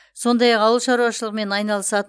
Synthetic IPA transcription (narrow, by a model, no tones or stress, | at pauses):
so̞nd̪ɑjɑqɑwəlˠʃɑɾuwɑʃəlˠəqme̞nɑjnɑlˠəsɑt̪